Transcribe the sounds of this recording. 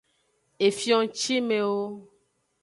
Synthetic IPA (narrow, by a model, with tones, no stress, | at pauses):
e˨fjɔ̃˦t͡ʃi˦mẽ˨wo˦